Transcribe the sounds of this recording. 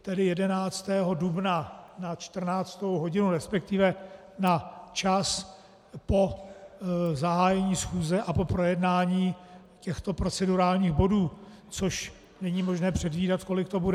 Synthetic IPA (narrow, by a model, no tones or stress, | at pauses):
t̪ɛdɪjɛdɛnaːt͡st̪ɛːɦo̞dubnanat͡ʃt̪r̩naːt͡st̪owɦo̞ɟɪnuɾɛspɛk̚t̪ɪvɛ | nat͡ʃas | po̞ | zaɦaːjɛɲiːsxuːzɛʔapo̞pɾo̞jɛdnaːɲiː | cɛxt̪o̞pɾo̞t͡sɛduɾaːlɲiːxbo̞duː | t͡so̞ʃ | nɛɲiːmo̞ʒnɛːpr̥ɛdviːdat̪ko̞lɪkt̪o̞budɛ